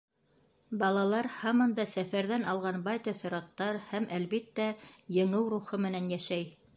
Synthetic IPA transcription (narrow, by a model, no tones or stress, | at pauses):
bɑlˠɑlˠɑɾhɑmɤnd̪ɑsæfæɾðænɑlˠʁɑnbɑjt̪ɑθɘ̆ɾɑt̪ːɑɾhæmʔælβit̪ːæjɤ̆ɴɤwɾuχɤmɘ̆nænjæʃæj